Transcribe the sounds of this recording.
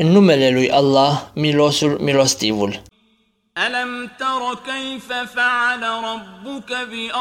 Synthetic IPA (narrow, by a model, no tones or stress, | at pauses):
ʔɪnːʊmælælwijʔɑlˤːɑːhmilosmilost̪ivʊl | ʔalamt̪ɑɾˤɑkajfafaʕalaɾˤɑbːʊkabɪʔa